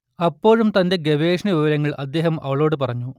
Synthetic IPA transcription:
ɐpːo̞ːɻumt̪ɐnde̞ɡe̞ʋeːʂnɐʋiʋɐɾɐŋːɐɭʔɐd̪ːe̞ːhɐmɐ̰ʋɐɭo̞ːɽɨpɐrɐɲːu

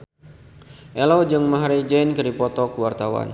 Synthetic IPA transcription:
ʔɛlod͡ʒɨŋmaɦɾid͡ʒɛjnkɨɾipɔt̪ɔkuwart̪awa̰n

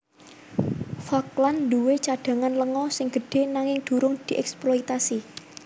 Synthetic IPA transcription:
fakland̪uwet͡ʃaɖ̥a̤ŋanləŋɔsɪŋɡ̥ə̤ɖ̥e̤naŋɪŋd̪̥ṳɾʊŋd̪̥i̤ʔɛksplɔit̪asi

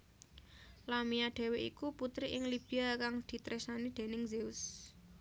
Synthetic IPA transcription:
lamiaɖ̥e̤weʔḭkuput̪ɾiʔɪŋlib̥i̤akaŋd̪̥i̤t̪ɾɛsnanid̪̥e̤nɪŋzeʊs

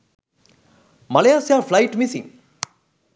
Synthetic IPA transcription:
malejasjaflajʈmisḭ̃ŋ

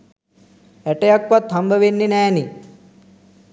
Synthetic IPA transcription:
ɛʈɐjɐkʋɐt̪hɐmbʱɐʋenːinɛːni

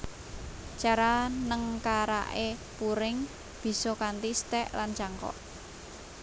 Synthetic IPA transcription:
t͡ʃaɾanəŋkaɾa̰ʔepuɾɪŋ | b̥i̤sɔkant̪ist̪ɛʔlant͡ʃaŋkɔ̰ʔ

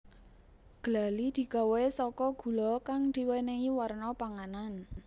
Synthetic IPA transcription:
ɡ̥əlalid̪̥i̤ɡ̥a̤wɔesɔkɔɡ̥ṳlɔkaŋd̪̥i̤weneŋiwarnɔpaŋanan

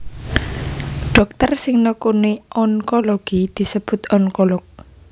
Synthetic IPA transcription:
ɖ̥ɔ̤k̚t̪ərsɪŋnəkuniʔɔŋkoloɡ̥id̪̥i̤səb̥ʊ̤t̪ɔŋkolɔk̚

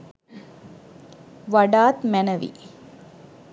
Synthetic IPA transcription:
ʋɐɖaːt̪mænɐʋḭ

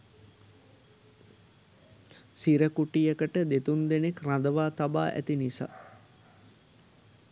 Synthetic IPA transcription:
siɾəkuʈijəkəʈəd̪et̪und̪enekrad̪əʋaːt̪abaːʔæ̰t̪inisa̰ː

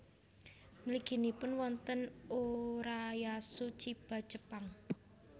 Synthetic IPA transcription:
mliɡ̥i̤nipʊnwɔnt̪ənuɾajasut͡ʃib̥a̤̥d͡ʒəpaŋ

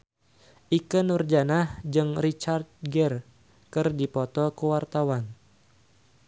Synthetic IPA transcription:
ʔikənərd͡ʒanahd͡ʒɨŋrit͡ʃart̪̚ɡɛr | kɨrdipɔt̪ɔkəwart̪awan

